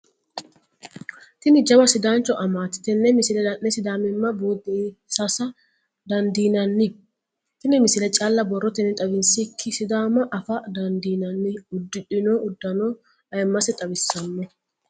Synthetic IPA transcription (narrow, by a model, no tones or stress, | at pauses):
t̪ɪnɪd͡ʒɐbɐsɪd̪aːnt͡ʃːɔʔɐmaːt̪ːɪ̥t̪ɛnːɛmɪsɪlɛd̪ɐʔːɛsɪd̪aːmɪmːɐboːd̪ɛsɐsɐ | d̪ɐnd̪iːnɐnːɪ | t̪ɪnɪmɪsɪlɛt͡ʃʼaːlːɐbɔrːɔt̪ɛnːɪt̪ʼɐbɪnsɪkʰːɪsɪd̪aːmɐʔɐfɐd̪ɐnd̪iːnɐnːɪʊd̪ːɪᶑɪnoːʔʊd̪ːɐno | ɐjmːɐsɛt̪ʼɐbɪsːɐnːɔ